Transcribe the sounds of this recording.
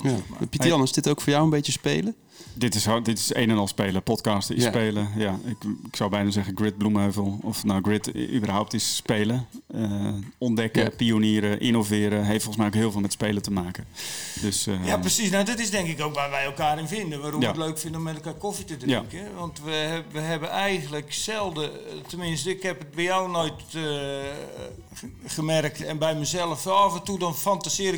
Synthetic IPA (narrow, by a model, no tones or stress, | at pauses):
japitəjɔnəsdɪtowkfoːjawənbejjəspejlə | dɪtɪsdɪtɪ̥sejnənɑlˠspeːləpɔtkɑːstɪspejləjaɪkɪksawbɛjənazɛɣəɡrɪt̚blumøvəlˠɔfnowɡrɪtybərɦawp̚tɪsspejləəɔndɛkəpioniːɾəʔɪnovɪːɾəɦejftfoχəsmɛjokɦɪːlˠvːlˠmɛtspejlətəmaːkədøsjaprəsisnawdɔtɪsdɛŋkɪkowkʋaːrʋɛjɛlˠkaːɾɪnfɪndənʋaːɾoəətløɥkfɪndəomːɛtɛlˠkaːkofitədrɪŋkəʋɔntʋəʋəɦɛbənɛjɣən̩ləksɛlˠdətəmɪnstəɪkhɛpət̚bɛjawnojt | χəmɛrk̚tɛnbɛjməzɛlˠəfafəntudɔnfantasɪəɾɪ